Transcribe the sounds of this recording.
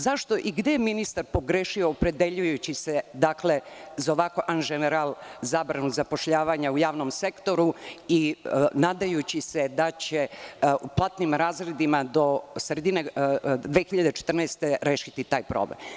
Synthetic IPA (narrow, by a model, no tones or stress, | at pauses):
zaʃt̪o̞ʔiɡd̪ejminist̪aɾpo̞ɡɾeːʃioːpɾe̞d̪e̞ʎujut͡ɕised̪akle̞zaoʋakoʔanɡeneɾalˠzaːbɾanuzapo̞ʃʎaːʋaɲaujaːʋnomse̞kt̪o̞ɾuinaːd̪ajut͡ɕised̪at͡ɕeuplˠat̪nimɾaːzɾed̪imad̪o̞sɾed̪ined̪ʋe̞xiʎad̪e̞t͡ʃe̥t̪rnaest̪e̞ɾeːʃit̪it̪aːjpɾo̰blḛm